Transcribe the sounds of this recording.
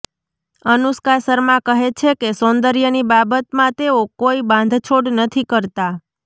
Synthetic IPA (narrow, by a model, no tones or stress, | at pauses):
ənuskaɾsəɾmãkəɦet͡ʃʰekesõnd̪əɾjənibabət̪mãt̪eokoibãnd̪ʱt͡ʃʰoɽnət̪ʰikəɾt̪a